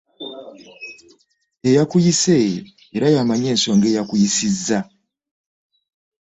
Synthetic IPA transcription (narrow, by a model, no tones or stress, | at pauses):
ejakujise | eɾajamaɲe̞ːnso̞ːŋɡe̞ːjakujisizːa